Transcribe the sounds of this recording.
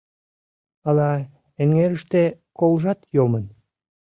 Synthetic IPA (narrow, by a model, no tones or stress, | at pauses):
ɑlɑ | eŋːeɾəʃt̪e | kolʒɑt̪jomən